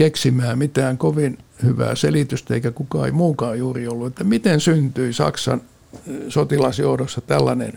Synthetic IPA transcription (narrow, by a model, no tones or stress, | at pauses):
keksimˑæːmit̪æːŋkoʋinhyʋæ̰ːselit̪yst̪æḛikækukɑːḛimuːkɑːjjuːriolːuet̪ːæmit̪ensynt̪yisɑ̰ksɑ̰n | sot̪ilɑsjouɾosːɑt̪ælːɑnḛn